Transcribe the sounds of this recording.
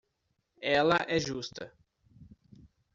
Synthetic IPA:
ɛlɐʔɛʒust̪ɐ

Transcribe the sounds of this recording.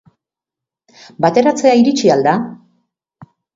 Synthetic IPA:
bat̪e̞ɾat͡se̞aiɾit͡ʃiald̪a

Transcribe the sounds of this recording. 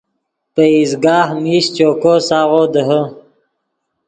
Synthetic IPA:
pəizɡaːhmiɕt͡ɕoːkosaːʁoːd̪əɦə

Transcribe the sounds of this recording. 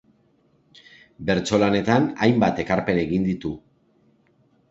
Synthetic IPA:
be̞ɾt͡so̞lane̞t̪anajmbat̪e̞kaɾpe̞neɣind̪it̪u

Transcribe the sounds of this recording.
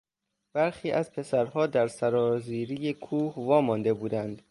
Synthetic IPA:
b̥æɾxiːʔæzpʰe̞sæɾhɒːd̪æɾsæɾɒːziːɾijekʰuːhvɒːmɒnd̪e̞buːd̪ænd̪

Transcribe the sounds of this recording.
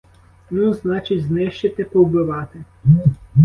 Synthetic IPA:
nuznɑt͡ʃɪdʲznɛʃt͡ʃɐt̪ɛpɔwbɪʋɑt̪ɪ

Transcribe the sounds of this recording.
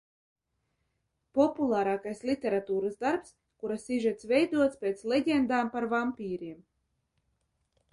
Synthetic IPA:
pɔpulˠaːɾaːkajslʲˠit̪ʲeɾat̪uːɾazd̪aɾps | kuɾasiʒɛt̪svɛjd̪uɔt̪spʲeːt̪slʲeɟʲend̪aːmpaɾvampʲiːɾiɛm

